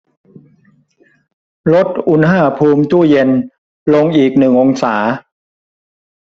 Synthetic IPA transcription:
lo˦˥t̪̚ʔu˧nɦaː˥˩pʰuː˧mt͡ɕu˥˩je˧n | lo˧ŋʔiː˨˩k̚nɯ˨˩ŋʔo˧ŋsaː˩˦

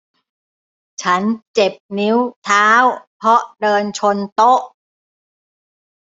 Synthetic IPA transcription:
t͡ɕʰa˦˥nt͡ɕe˨˩p̚ni˦˥wt̪ʰaː˦˥wpʰɔ˦˥ʔdɤː˧nt͡ɕʰo˧nt̪o˦˥ʔ

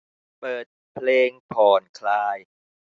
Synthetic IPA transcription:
pɤː˨˩t̪̚pʰleː˧ŋpʰɔː˨˩nkʰlaː˧j

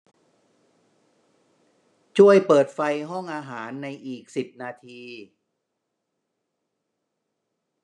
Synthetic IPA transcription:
t͡ɕʰu˥˩əjpɤː˨˩t̪̚fa˧jɦɔ˥˩ŋʔaː˧ɦaaː˩˦nːa˧jʔiː˨˩k̚si˨˩p̚naː˧t̪ʰiː˧

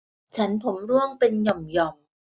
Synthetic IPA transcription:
t͡ɕʰa˦˥npʰo˩˦mɾu˥˩əŋpe˧njɔ˨˩mjɔ˨˩m

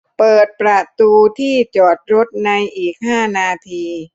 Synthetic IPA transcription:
pɤː˨˩t̪̚pɾa˧t̪uː˧t̪ʰiː˥˩t͡ɕɔː˨˩t̪̚ɾo˦˥t̪̚na˧jʔiː˨˩k̚haː˥˩naː˧t̪ʰiː˧

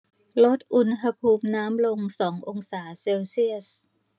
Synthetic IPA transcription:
lo˦˥t̪̚ʔu˧nɦa˧pʰuː˧mnaː˦˥mlo˧ŋsɔː˩˦ŋʔo˧ŋsaː˩˦seː˧wsi˥˩əs

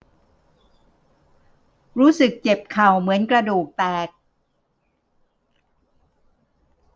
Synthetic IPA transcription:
ɾuː˦˥sɯ˨˩k̚t͡ɕe˨˩p̚kʰa˨˩wmɯ˩˦ənkɾa˧duː˨˩k̚pɛː˨˩k̚

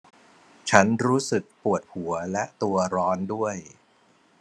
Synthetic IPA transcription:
t͡ɕʰa˦˥nɾuː˦˥sɯ˨˩k̚pu˨˩ət̪̚hu˨˩˦ɐlɛ˦˥ʔt̪u˧ɐɾɔː˦˥ndu˥˩əj

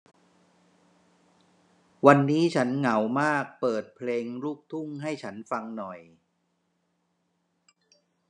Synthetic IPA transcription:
wa˧nːiː˦˥t͡ɕʰa˦˥nŋa˩˦wmaː˥˩k̚pɤː˨˩t̪̚pʰleː˧ŋluː˥˩k̚t̪ʰu˥˩ŋɦa˥˩jt͡ɕʰa˦˥nfa˧ŋnɔ˨˩j

